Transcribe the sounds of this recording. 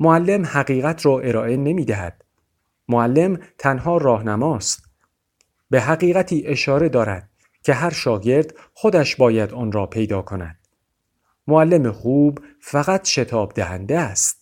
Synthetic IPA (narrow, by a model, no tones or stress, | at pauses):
moælːe̞mhæɣiːɣæt̪ʰɾɒːʔe̞ɾɒːʔe̞ne̞miːd̪æɦæ̰d̪̥ | moælːe̞mt̪ʰænɦɒːɾɒːhnæmɒːst̪ | be̞ɦæɣiːɣæt̪ʰiːʔe̞ʃɒːɾe̞d̪ɒːɾæ̰d̪̥̚ | cʲʰe̞ɦæɾʃɒːɟe̞ɾd̪ | xo̞d̪æʃbɒːjæd̪ɒːnɾɒːpʰe̞jd̪ɒːkʰo̞næ̰d̪̥ | moælːe̞mexuːb | fæɣæt̪ʃe̞t̪ʰɒːbd̪æhænd̪eæst̪̚